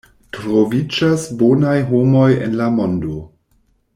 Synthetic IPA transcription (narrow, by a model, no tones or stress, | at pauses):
tɾovid͡ʒasbonajɦo̞mojḛnlamo̞ndo̞